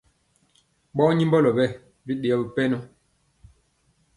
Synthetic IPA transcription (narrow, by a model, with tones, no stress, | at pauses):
ɓɔ˦ɲi˦mbɔ˦lɔ˨bɛ˦˨ | bi˦ɗe˨ɔ˦˨bi˨pɛ˦nɔ˦